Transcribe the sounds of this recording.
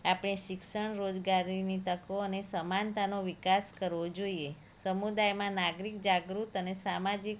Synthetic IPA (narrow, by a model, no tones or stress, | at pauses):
apɽ̃eʃɪkʃəɳɾod͡ʒɡaɾinit̪əkoənesəmant̪anoʋikaskəɾʋod͡ʒoie | səmud̪ajmãnaɡɾikd͡ʒaɡɾut̪ənesamad͡ʒik